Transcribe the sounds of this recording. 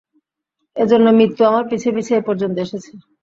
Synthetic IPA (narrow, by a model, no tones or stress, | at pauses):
ed͡ʑonːomɾit̪ːuamaɾpit͡ɕʰebit͡ɕʰeepɔɾd͡ʑont̪oeʃet͡ɕʰi